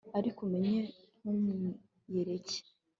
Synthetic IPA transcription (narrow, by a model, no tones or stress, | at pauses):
aɾikume̞ɲe | numu | jeɾece̥